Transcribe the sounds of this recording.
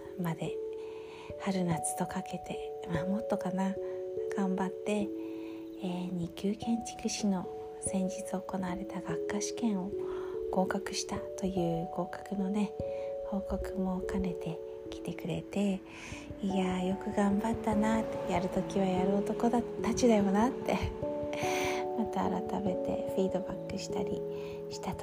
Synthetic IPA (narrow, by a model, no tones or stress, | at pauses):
mad̪e̞ | haɾɯ̟nat͡sɨ̥t̪o̞kake̞t̪e̞ | mamo̞t̪ːo̞kanaɡ̥ãmbat̪ːe̞ | ɲ̟ikʲɨːkẽ̞ɲt͡ɕi̥kɯ̟ɕino̞ | sẽ̞ɲ̟d͡ʑit͡sɨoko̞naβaɾe̞t̪aɡakːaɕi̥kẽ̞ɰ̃o̞ko̞ːkakɯ̟ɕi̥t̪at̪o̞jɯ̟ːko̞ːkḁkɯ̟no̞ne̞ho̞ːko̞kɯ̟mo̞kane̞t̪e̞ | kʲi̥t̪e̞kɯ̟ɾe̞̰t̪e̞ | iajo̞kɯ̟ɡãmbat̪ːanat̪ːejaɾɯ̟t̪o̞kʲiβ̞ajaɾɯ̟ot̪o̞ko̞d̪at̪ːat͡ɕid̪ajo̞nat̪ʰːe̞ | mat̪a̰ːɾat̪ame̞t̪e̞̰ɸɾiːd̪o̞bakːɯ̟ɕi̥t̪aɾʲḭ | ɕi̥t̪at̪o